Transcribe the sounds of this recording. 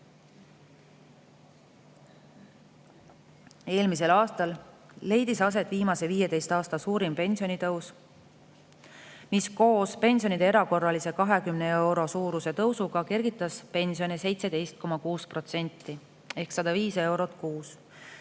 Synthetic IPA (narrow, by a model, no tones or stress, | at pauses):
e̞ːlmis̬e̞lɑːst̪ɑlː | e̞jd̪̥isɑs̬e̞t̪viːmɑse̞viːje̞d̪e̞jst̪ɑːst̪ɑsuːɾimpe̞nʲsio̞nit̪ɤws | misko̞ːspe̞nʲsijo̞nid̪eeɾɑko̞rːɑlise̞kɑɦe̞kymnee̞wɾo̞suːɾuse̞t̪ɤwsuɡ̥ɑke̞rɡ̥it̪ːˑɑspe̞nʲsionise̞jt̪se̞d̪e̞jst̪̚ko̞mɑkuːspro̞t̪se̞nʲt̪ːˑi | e̞hksɑd̪̥ɑviːse̞wɾo̞t̪ˑkuːs